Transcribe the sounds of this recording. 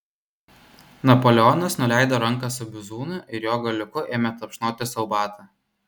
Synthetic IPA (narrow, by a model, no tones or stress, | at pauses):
nɐpoːlʲɛɔnɐsnʊlʲæˑɪd̪oɾɐŋˑkɑsʊbʲʊzuːnʊʔɪɾjoːɡɐlʲɪkʊʔeːmʲɛt̪ɐpʃnoːt̪ʲɪsɐʊbɑːt̪ʰɐ